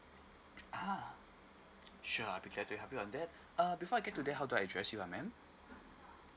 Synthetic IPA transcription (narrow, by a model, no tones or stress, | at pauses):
ʔa | ʃuaɪbikʰlɛtubiɦɛpiɔ̃ndɛt̚ | ʌbifɔajɡɛtːudeɦaʊduaədɹɛsjuamɛ̃m